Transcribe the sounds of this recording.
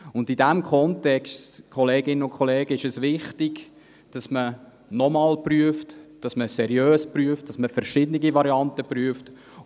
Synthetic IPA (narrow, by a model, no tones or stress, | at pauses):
ʊndidæmkʰɔntɛkstkʰɔleːɡɪnənʊnkχɔleːɡ̥əɪʃɛsʋɪχtiɡ̥ | d̥ɑsmə | nɔmɑːlpryəftd̥ɑsməsɛɾjøːspryəft̚d̥ɑsməfɛɾʃɪdəniɡivɑɾiɑntəpryəft